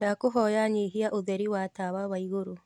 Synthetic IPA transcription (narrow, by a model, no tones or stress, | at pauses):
akoɦɔːjaɲiːɦiaʔoðɛɾiwatawawaiɣoɾo